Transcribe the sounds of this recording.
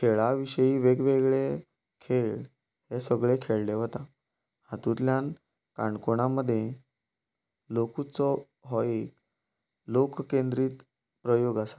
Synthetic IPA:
kʰeɭaʋiɕəjiːʋeɡʋeɡɭe | kʰeɭ | hesəɡɭekʰeɭleʋɔt̪a | hat̪ũt̪ljan | kaɳkoɳaməd̪ʱːjẽ | lokut͡sɔ | ɦɔek | lokkend̪ɾiːt̪ | pɾəjoɡasḁ

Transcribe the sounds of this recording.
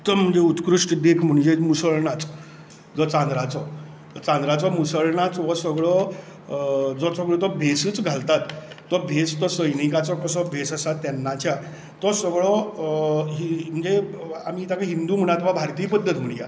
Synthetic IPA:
t̪ːəm̤ːəɳd͡zeut̪kɾuʂʈd̪ekʰm̤əɳd͡ʑemusəɭɳat͡s | d͡zɔt͡sãnd̪ɾat͡sɔ | t͡sãnd̪ɾat͡sɔmusəɭɳat͡sʋɔsəɡɭɔ | d͡zɔsəɡɭɔt̪ɔbʱesɨːt͡sɡʱalt̪at̪ː | ɔbʱest̪ɔsəjnikat͡sɔkəsɔbʱesəsat̪ːɛnːat͡ɕja | t̪ɔsəɡɭɔ | ɦim̤əɳd͡ze | amiːt̪akaɦind̪uːm̤əɽ̃at̪ʋabʱaɾt̪iːpəd̪ʱːət̪m̤əɳja̰

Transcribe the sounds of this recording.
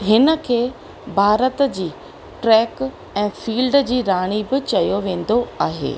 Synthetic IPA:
ɦɪnə̆kʰeː | bʱaːɾət̪d͡ʑiː | ʈɾɛːk | ɛ̃ːfiːlɖd͡ʑiːɾaːɽ̃ibɪt͡ɕɐjoʋẽːn̆d̪oaːɦḛː

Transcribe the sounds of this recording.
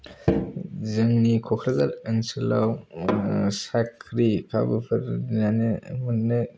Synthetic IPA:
zɯŋnikʰɔkʰɾazaɾɯŋsɯlaw | sakʰɾikʰa̰bɯpʰɯɾnanemɯnɯ

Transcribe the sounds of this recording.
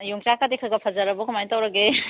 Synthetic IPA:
juŋt͡ʃakadekʰɐɡɐpʰɐzɐɾɐbukʰumajntawɾɐɡe

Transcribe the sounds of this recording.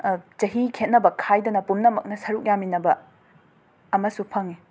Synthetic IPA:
t͡ʃɐɦikʰet̚nɐbɐkʰajdɐnɐpumnɐmɐk̚nɐsɐɾuk̚jaminɐbɐ | ɐmɐsupʰɐŋi

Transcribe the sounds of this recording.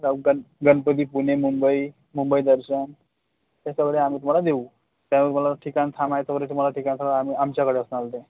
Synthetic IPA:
aɡənɡənpəd̪iːpunemumbəi | mumbəid̪əɾɕən | t̪asəɡɽeamiːt̪um̤alad̪eu | t̪jãnt̪um̤alaʈʰikant̪ʰamaesəɡɽeʈ̪um̤alaʈʰikant̪ʰaɡeamiamt͡ɕjakəɽeəsnalt̪ẽ

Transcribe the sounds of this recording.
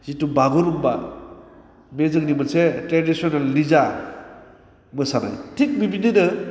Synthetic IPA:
z̥itubaɡɔlumba | mezɯknimɯsetɾedisionalːiza | mɯsana̰jtʰik̚bibinidɯ

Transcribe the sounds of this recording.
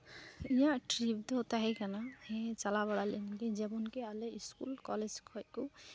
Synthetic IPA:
ijãʈɾibd̪ot̪aɦɛkanahẽt͡ʃalaβaɽalinked͡ʒebunkealeiskulkɔled͡ʒkʰɔjku

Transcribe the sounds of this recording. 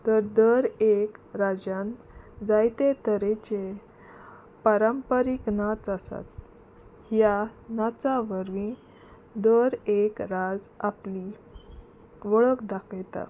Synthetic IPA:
t̪əɾd̪əɾekɾad͡ʑan | d͡zajt̪et̪əɾet͡ɕe | paɾəmpəɾiknat͡səsa̰t̪ | hjanat͡saʋəɾʋĩ | d̪əɾekɾad͡zapli | ʋəɭəkd̪akəjt̪a̰

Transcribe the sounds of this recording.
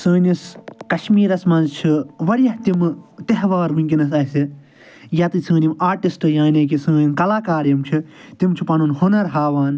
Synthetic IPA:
səːniskɐʃmiːɾɐsmɐnzt͡ʃʰiʋɐɽjɐht̪imt̪eɦʋaːɾmɨŋʲkʲinɐs̬ɐsi | jɐt̪ɨt͡sʰɨ̃ːnʲimaːɾʈisʈɨjaːneːk̬isə̃ːnimkɐlaːkaːɾjɐmt͡ʃʰit̪imt͡ʃʰipɐnunhonɐɾɦaːʋaːn

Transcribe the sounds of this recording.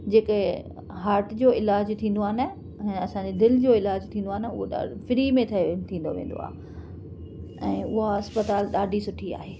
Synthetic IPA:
d͡ʑeːk | ɦaːɾʈd͡ʑoːɪlaːd͡ʑt̪ʰĩːn̆d̪oaːɦɪnə̆̃ː | ɐsãːɲd͡ʑed̪ɪld͡ʑoːɪlaːd͡ʑt̪ʰĩːnd̪oaːɦɪnə̆ʊɦoɗa̰ːfɪɾimẽt̪ʰɐt̪ʰĩːnd̪o̰ʋḛ̃ːnd̪o̰a̰ːɦ | ɛ̃ːʊɦaɐspət̪aːlɗaːɖʱisʊʈʰia̰ːɦeː

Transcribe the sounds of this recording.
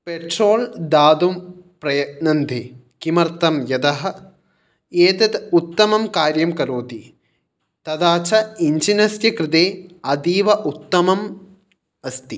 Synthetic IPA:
peʈɾoːld̪aːd̪umpɾɐjɐnɐnd̪ʱe | kimɐɾt̪ɐmjɐd̪ɐɦɐ̆ | eːt̪ɐt̪ut̪ːɐmɐmkaːɾjɐmkɐɾoːt̪i | t̪ɐd̪aːt͡ʃʰɐiɲt͡ʃinɐsjɐkɾɪt̪eːɐd̪iːʋɐʔut̪ːɐmɐm | ɐst̪i

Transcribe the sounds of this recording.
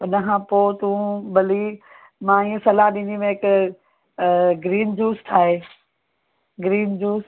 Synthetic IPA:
ʊnəkʰãːpoːt̪ũbɐli | mãːĩːə̃sɐlaɦɗĩnd̪imẽɪk | ɡɾiːnd͡ʑuːst̪ʰaːɦeː | ɡɾiːnd͡ʑuːs

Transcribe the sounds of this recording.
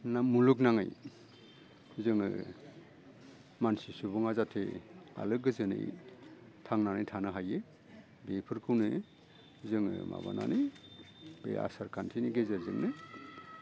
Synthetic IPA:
namuluk̬naŋɯ̰j | zɯŋɯ̰ | mansisubɔŋazatʰḛa̰lɯɡɯzɯnɯ̰j | tʰaŋnanɯjtʰanɯɦaje | bepʰɯɾkʰɯwnɯ | zɯŋɯ̰ma̰ba̰na̰nij | bḛa̰saɾkʰantʰiniɡezazɯ̰ŋnɯ

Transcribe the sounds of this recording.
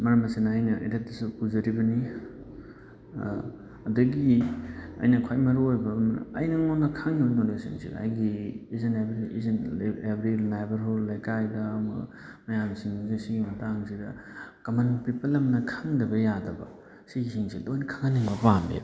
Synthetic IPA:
mɐɾɐmɐsinːjnɐʔḛdet̚dɐsukuzɐɾibɐni | ɐdɐɡi | ɐ̰jnɐkʰajmɐɾoojbɐmn̰ɐjnɐŋonɐkʰaŋioɾnonesḭnsḭd̰a̰jɡiːzɐnebɾiizenebɾinajbɐɾɦolːɐjkajdɐːmɐ̰ | mɐjamsiŋzisiɡimɐtaŋsidɐkɐmɐnpipɐlɐmnɐkʰaŋdɐbɐjadɐbɐ̰ | siɡisiŋsilojnɐkʰaŋaniŋbɐpandḛ

